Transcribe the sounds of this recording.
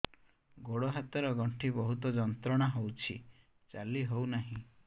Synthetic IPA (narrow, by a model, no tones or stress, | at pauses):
ɡoɽɔɦat̪ɔɾɔɡɔɳʈʰibɔɦut̪ɔd͡ʒɔnt̪ɾɔɽ̃aɦowt͡ʃʰi | t͡ʃaliɦownaɦĩ